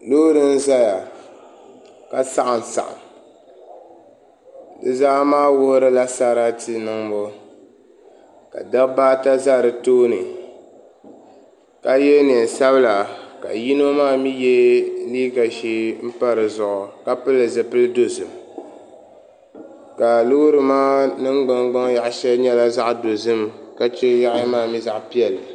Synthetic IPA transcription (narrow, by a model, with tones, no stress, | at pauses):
loː˦ɾɨ˦n̩˦za˦ja˨ | ka˨sa˦ʔa˨n˨sa̰˨ʔa̰˨ | dɨ˨za˦maː˦wʊ˦ɾɨ˦la˦sa˦ɾa˦ti˦nɨ˨˦ŋ˦bo˦ | ka̰˨dɨ˦kbaː˦ta˦za˦˨ɾɨ˨toː˦nɨ˨ | ka˦jɛ˦n˨ɛ˨n˨sa˦βɨ˦la˨ka̰˨ji˦no˦maː˦˨mi˦jɛ˦liː˦ɡa˨ʃiː˦m̩˦pa˦ɾɨ˨zʊ˨ʔʊ˨ka˦pɨ˦lːɨ˨zɨ˨pɨ˦lɨ˦do˨zɨ˨m | ka˨lʊ˦hʊ˦ɾɨ˨maː˦nɨ˦ŋɡ͡ba˦ŋɡ͡ba˦ŋ˦ja˨ʔʃɛ˦lɲɛ˦la˦za˦ʔdo˨zɨ˦mka˦t͡ʃɛ˦ja˦ʔmaː˦˨mi˦za˨ʔpi˦ɛ˨lɨ˨